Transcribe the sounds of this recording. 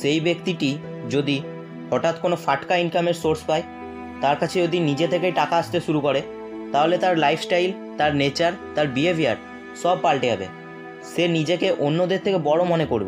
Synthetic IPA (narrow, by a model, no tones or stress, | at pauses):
ʃejbekt̪iʈi | d͡ʑod̪i | hɔʈat̪konofaʈkainkameɾsoɾspae | t̪aɾkat͡ɕʰeod̪inid͡ʑet̪ʰek̬ejʈakaaʃt̪eʃuɾukoɾe | t̪aɦolet̪aɾlajfʰsʈajl | t̪aɾnet͡ɕaɾt̪aɾbiebiaɾ | ʃɔbpalʈeɦɛbḛ | ʃenid͡ʑekeʔonːod̪eɾt̪ʰekebɔɽomonekoɾbḛ